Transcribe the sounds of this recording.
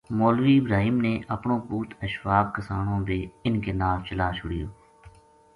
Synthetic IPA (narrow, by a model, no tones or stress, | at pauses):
moːlʋiːɪbɾaːɦiːmneːʔəpɳõːpuːt̪ʰəʃʋaːb̚kəsaːɳõːbeːɪnkeːnaːlt͡ʃəlaːt͡ʃʰʊɽɪjoː